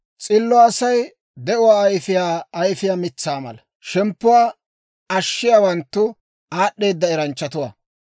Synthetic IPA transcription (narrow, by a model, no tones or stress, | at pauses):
t͡sʼɪlːɔɐsɐj | d̪ɛʔʊwaːɐjfɪjaːjfɪjaːmɪt͡sːaːmɐ̰lɐ | ʃɛmpːʊwaː | ɐʃːɪjawɐnt̪ːʊ | aːɗːe̞ːd̪ːɐɛɾɐnt͡ʃːɐt̪ʊwa̰ː